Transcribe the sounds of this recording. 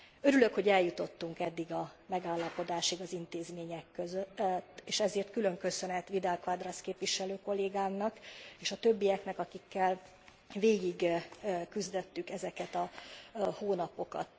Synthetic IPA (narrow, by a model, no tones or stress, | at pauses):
ø̞ɾylø̞kho̞ɟɛljut̪o̞t̪ːuŋkɛd̪ːiɡɒmɛɡaːlːɒpo̞d̪aːʃiɡɒzint̪eːzmeːɲɛkːøzøtt̪ːeːʃɛzeːrt̪kylø̞ŋkø̞sø̞nɛt̪ʋid̪ɛlkʋad̪rɒskeːpʋiʃɛløːko̞lːeːɡaːmnɒkeːʃɒt̪ø̞bːijɛknɛkɒkikːɛl | veːɡiɡkyzd̪ɛt̪ːykɛzɛkɛt̪ɒ | hoːnɒpo̞kɒ̰t̪